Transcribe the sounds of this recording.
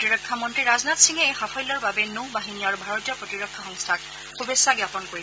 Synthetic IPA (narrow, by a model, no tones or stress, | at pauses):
tiɹɔkʰːamɔntɹiɹaznatsiŋɛejxapʰɔjlːɔɹbabɛnubaɦinijaɹubʱaɹɔtijɔpɹɔtiɹɔkʰːaxɔŋstʰak̚ | xubesːaɡjapɔnkoɹi